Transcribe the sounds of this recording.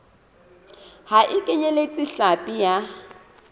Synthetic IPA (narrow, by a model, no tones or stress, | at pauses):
haʔɪkʼɛɲɛlet͡sʼɪɬapʼija